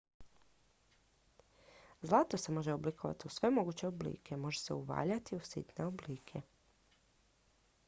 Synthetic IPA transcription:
zlˠaːt̪ose̞mo̞ʒe̞oblikʰoʋa̰t̪iusʋe̞mo̞ɡut͡ɕe̞oblḭːkʰe̞mo̞ʒe̞se̞uʋa̰ːʎat̪iusḭt̪neobliːkʰe̞

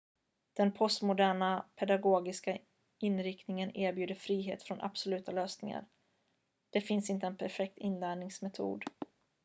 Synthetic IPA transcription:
d̪̥ɛnpʰɔst̪mʊd̪æːɳapʰɛd̪aɡoːɡɪska | ɪnɾɪkt̪nɪŋəneːɾbjʉːd̪əfɾiːɦḛːt̪fɾɔnʔa̰b̥sɔlʉ̟ːt̪aløːsnɪ̰ŋa̰ɾ | d̪̥ɛfɪnsɪnt̪əɛnpʰæɾfɛk̚t̪ɪnlæːɳɪŋsmɛt̪ʰṵːd̪

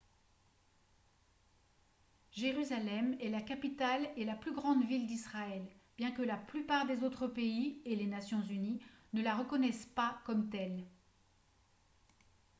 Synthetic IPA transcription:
ʒeʁyzalɛmɛlakapit̪alelaplyɡʁɑ̃d̪vild̪isχaɛlb̥jɛ̃kəlaplypaʁd̪ezot̪χəpeielenasjɔ̃zyninəlaʁəkɔnɛspakɔmt̪ɛl

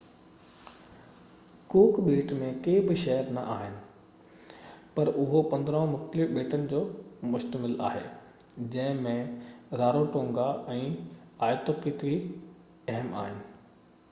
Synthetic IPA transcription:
kuːkɓeːʈmẽkeːbɪʃɛɦəɾnɐ̰ʔaːɦɪnɪ̆ | pɐɾʔʊɦopɐ̃nd̪ɾə̃ʋ̃mʊxt̪əlɪfɓeːʈənɪ̆d͡ʑoːmʊʃt̪əmɪla̰ːɦḛː | d͡ʑɐ̃ɦɪ̃mẽɾaːɾoʈõːŋɡaɛ̃ː | aːjt̪oqiːt̪ʋi | ɐɦəma̰ːɦɪnɪ̆

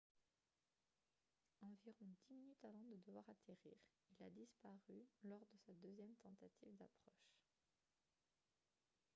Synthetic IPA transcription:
ɑ̃viʁɔ̃d̪iminyt̪avɑ̃d̪əd̪əvwaʁat̪eʁiːʁ | ilad̪ispaʁylɔʁd̪əsad̪øzjɛmt̪ɑ̃t̪at̪ʰivd̪apχɔʃ

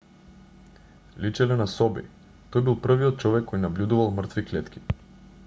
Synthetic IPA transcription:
lit͡ʃɛlɛnasɔbḭ | t̪ɔjbilˠpr̩viɔt̪̚t͡ʃɔvɛkːɔjnablʲud̪uvalˠmr̩t̪viklɛt̪kʲi̥

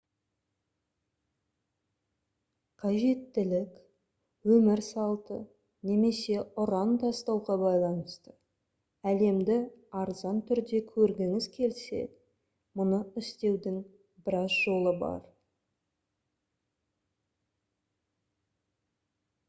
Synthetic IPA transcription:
qʰɑʒe̞t̪ːɪlɪkʲ | wɵmɪɾsɑlˠt̪ə | ne̞me̞se̞ʊɾɑnd̪ɑst̪ɑwʁɑbɑjlˠɑnəst̪ə | æle̞md̪ɪɑɾzɑnt̪ʰʏɾd̪e̞kʲʰɵɾɡʲɪŋɪzkʲʰe̞lse̞̰d̪ | mʊnəɪst̪e̞wd̪ɪŋ | bɪɾɑzʒo̞lˠəbɑ̰ɾ

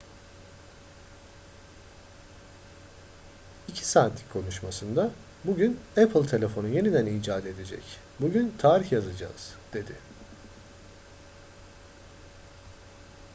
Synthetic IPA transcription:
icʰi̥saːt̪ʰʲikʰo̞nuʃmasɯnd̪a | buɟynɛpʰlʲˠt̪ʰe̞lʲe̞fo̞nunje̞nid̪æniːd͡ʒaːd̪e̞d̪e̞d͡ʒɛ̰c | buɟynt̪ʰaːɾiçjazad͡ʒa̰ːz̥d̪̥e̞d̪ɪ

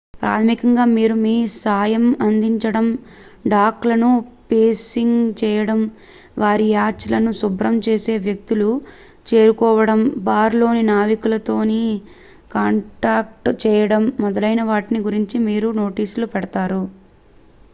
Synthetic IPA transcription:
pɾʔa̰ːt̪ʰɐmikɐŋɡaːmiːɾumiːsaːjɐmɐnd̪iɲt͡ʃɐɽɐm | ɖaːklɐnupeːsiŋɡt͡ʃɛːjɐɽɐm | ʋaːɾijaːt͡ʃːlɐnusubɾɐmt͡ʃe̞ːse̞ːʋjɐk̚t̪ulu | t͡ʃe̞ːɾukɔːʋɐɽɐmbaːɾlo̞ːninaːʋikulɐt̪o̞ːni | kaːɳʈaːk̚ʈt͡ʃɛːjɐɽɐmːɔd̪ɐlɐjnɐʋaːʈiniɡuɾiɲt͡ʃimiːɾuno̞ːʈiːsulupɛɽɐt̪aːɾu

